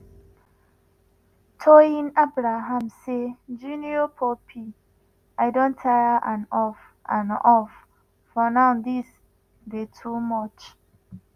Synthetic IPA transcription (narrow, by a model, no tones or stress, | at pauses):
tʰɔĩnabɾaɦãmsed͡ʒuniopʰɔpʰi | aɪdõntʰaaʔãnɔf | ã̰nɔfː | ɔnãʊdis | detʰumɔt͡ʃ